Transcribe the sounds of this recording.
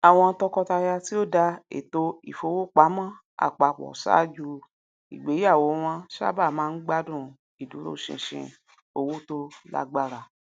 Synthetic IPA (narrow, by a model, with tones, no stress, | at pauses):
a˨w̃ɔ̃˧tɔ˧kɔ˧ta˧ja˧ti˦o˦˨da˧ḛ˨to˧ḭ˨fo˧˦wo˦k͡pa˨˦mã˦˨ | a̰˨k͡pa˨k͡pɔ̰˨sa̰˦d͡ʒu˧ | i˨ɡ͡be˨˦a˦˨wo˨˦w̃ɔ̃˧ʃa̰˦ba˦˨mãː˨˦n̩˦ɡ͡ba˦dũ˦˨ | i˨du˨˦ɾo̰˦˨ʃḭ̃˧˨ʃḭ̃˧ | o˧wo˦to˦la̰˦ɡ͡ba˦˨ɾa˧˨